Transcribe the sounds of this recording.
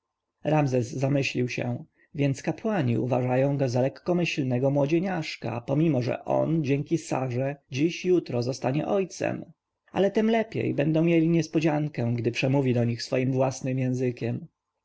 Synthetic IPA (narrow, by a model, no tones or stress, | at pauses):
ɾamzɛzːamɘɕlʲiwɕɛ̰ | vʲjɛnt̪skapwaɲḭṵvaʐajɔ̃w̃ɡɔzalɛkːɔmɘɕlnɛɡɔmwɔd͡ʑeɲaʂka̰pɔmʲimɔʐɛ̰ʔɔ̰nd͡ʑɛŋkʲisa̰ʐɛd͡ʑiɕjut̪ɾɔzɔst̪aɲɛ̰ʔɔjt̪sɛ̰m | a̰lɛt̪ɛmlɛpʲjḛjbɛnd̪ɔ̃w̃mʲjelʲiɲɛspɔd͡ʑaŋkɛ̃ɡd̪ɘpʂɛmuvʲid̪ɔɲixsfɔjimvwasnɘmjɛ̃zɘkʲɛm